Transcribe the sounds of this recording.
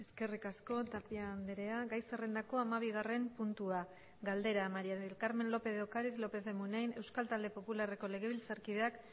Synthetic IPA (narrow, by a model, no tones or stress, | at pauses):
e̞ske̞rikasko̞t̪apiaːnd̪eɾe̞aɣajsere̞nd̪ako̞amaβ̞iɣ̞are̞mpunt̪ua | ɡald̪e̞ɾamaɾiaelkaɾme̞nlo̞pe̞ðeokaɾiθlo̞pe̞θemunejne̞wskalt̪ald̪e̞po̞pulare̞ko̞le̞ɣ̞e̞β̞ilt͡saɾkiðeak